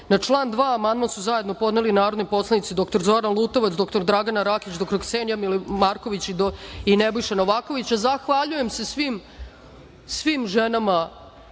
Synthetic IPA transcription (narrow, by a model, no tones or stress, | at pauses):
nat͡ʂlˠaːnd̪ʋaːmand̪mansuzaje̞d̪no̞po̞d̪nelinaːɾo̞d̪nojpo̞slanit̪id̪o̞kt̪oɾzoɾanlˠuːt̪oʋat̪d̪o̞kt̪oɾd̪ɾaɡanaɾaːkit͡ɕd̪okt̪oksenjamilmaːɾko̞ʋit͡ɕ̪inebojʃeno̞ʋaːko̞ʋit͡ɕazaxʋaʎuje̞mse̞sʋim | sʋimʒenama